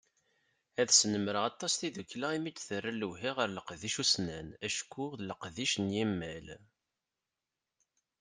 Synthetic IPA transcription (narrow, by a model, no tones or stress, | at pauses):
æðsnəmɾəɑt̪ˤːɑsθiðukːlæimit͡sːθərːəluɦiʁəɾləqðiʃusnænæʃkːuðləqðiʃnjimːæl